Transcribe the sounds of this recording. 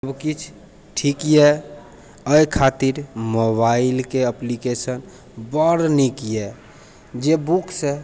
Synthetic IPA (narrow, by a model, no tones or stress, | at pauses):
əbkit͡ʃʰ | ʈʰikjɛ | əjkʰat̪iɾmobailkeəplikesən | bəɾnikjɛ | d͡ʒebukse